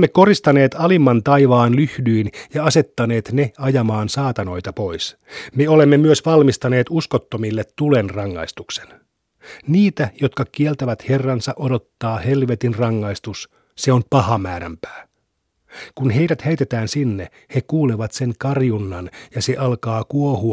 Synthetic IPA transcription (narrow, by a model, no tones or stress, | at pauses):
mːeko̞ɾist̪ɑne̞ːt̪ɑlimːɑnt̪ɑjʋɑːnlyhdyːnjɑɑse̞t̪ːɑne̞ːt̪neɑjɑmɑːnsɑːt̪ɑno̞jt̪ɑpo̞js | meole̞mːemyøsʋɑlmist̪ɑne̞ːt̪uskot̪ːomilːet̪tːulenrɑŋːɑ̰ist̪uksen | niːt̪æjot̪kɑkielt̪æʋæt̪herːɑnsɑʔodo̞t̪ːɑːhe̞lʋet̪inrɑŋːɑist̪us | seompɑhɑmæːɾæ̰mpæ̥ː | kunɦe̞jdæt̪heijt̪et̪æːnsinːe | hekuːleʋɑt̪seŋkɑrjunːɑnjɑse̞ʔɑlkɑːkuohu